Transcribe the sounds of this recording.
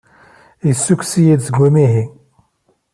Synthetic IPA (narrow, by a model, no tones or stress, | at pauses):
jsːuksijid̪səɡːumiɦi